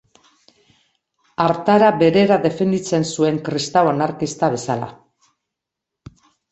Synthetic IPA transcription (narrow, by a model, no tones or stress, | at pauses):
aɾt̪aɾabe̞ɾe̞ɾaðe̞fe̞nd̪it͡se̞nsue̞ŋkɾist̪awanaɾkist̪aβe̞sala̰